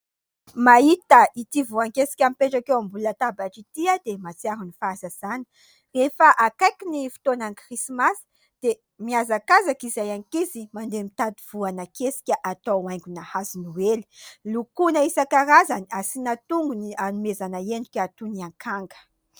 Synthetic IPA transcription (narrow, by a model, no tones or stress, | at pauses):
mait̪əit̪ivuaŋkesi̥kʲamipeʈ͡ʂakewambulət̪abaʈ͡ʂit̪iad̪emat͡siaɾunifazəz̥ani̥ | efaʔakajkʲinifi̥t̪onankrisimas | d̪̥e | miazakazakizajaŋikizimand̪emit̪at̪iv̥uanəkesi̥kʲəʔat̪oajŋɡunahazinuweli̥lukunaisakaɾazaniasinat̪uŋɡunianumezanaenɖ͡ʐ̪ukʲəat̪uniaŋkʰaŋɡə̥